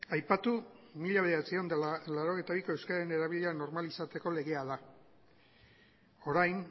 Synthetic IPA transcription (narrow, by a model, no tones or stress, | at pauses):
ajpat̪umiʎaβe̞ðeat͡sio̞nd̪aalaɾo̞ɣjt̪aβ̞ikoe̞wskaaene̞ɾaβiʎeano̞ɾmalisat̪e̞ko̞le̞ɣe̞aða | o̞ɾajn